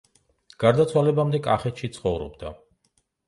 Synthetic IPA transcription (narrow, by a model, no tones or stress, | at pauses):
ɡ̥aɾd̪at̪sʰwalɛbamd̪ɛkʼaχɛt̪ʃit̪sʰχɔvɾɔ̰bd̪a